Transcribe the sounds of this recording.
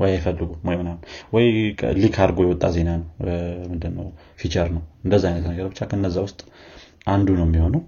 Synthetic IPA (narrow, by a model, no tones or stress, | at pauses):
wɔjajɪfəlːɨɡumojmːɨnalːwɔjkʰlikʰaɾɡojɛwɔt̪ʼːaze̞nanəwmɨnd̪ɨnːəw | fit͡ʃʰʼəɾnəwɨnd̪əzːaajnət̪nəɡəɾbɨt͡ʃːakʰəɨnːəzːawʊst̪ʼ | ʔand̪unəwmːiho̞nəw